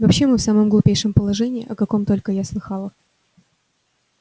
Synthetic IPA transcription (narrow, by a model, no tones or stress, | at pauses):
vɐpɕːe̞mɨfsaməmɡlˠʊpʲejʂɨmpəlˠɐʐɛnʲɪːʔɐkɐko̞mt̪o̞lʲkəjaslˠɨxɑlˠə